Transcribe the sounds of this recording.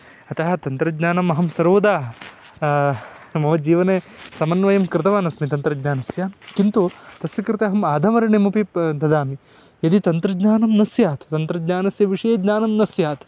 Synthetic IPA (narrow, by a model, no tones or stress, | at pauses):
ɐt̪ɐɦɐ̆t̪ɐnt̪ɾɐdɲaːnɐmɐɦɐmsɐɾoːd̪aːɐ | mɐʋɐd͡ʒiːʋɐneːsɐmɐnːʋɐjɐmkɾɪt̪ɐʋaːnɐsmit̪ɐnt̪ɾɐɡɲaːnɐsjaːnkint̪ut̪ɐsjɐkɾɪt̪ɐɦɐmaːd̪ʱɐmɐɾɐɳimupid̪ɐd̪aːmi | jɐd̪it̪ɐnt̪ɾɐd͡ʒɲaːnɐmnɐsjaːt̪ʰt̪ɐnt̪ɾɐdɲaːnɐsjɐʋiʂɐjeːdɲaːnɐmnɐsjaːt̪ʰ